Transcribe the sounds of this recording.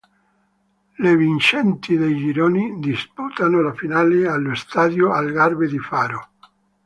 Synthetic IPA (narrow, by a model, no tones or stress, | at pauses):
levint͡ʃɛnt̪id̪ejd͡ʒiɾoːnid̪isput̪anolafinaːlealːost̪aːd̪joalɡarbed̪ifaːɾo